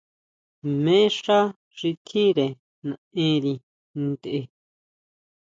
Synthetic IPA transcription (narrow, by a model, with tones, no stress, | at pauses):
mẽ˦ʂa˦ | ʐi˧t̪ʰĩ˦ɾe˨ | nã˨ẽ˦ɾi˧ | nd̪eʔe˧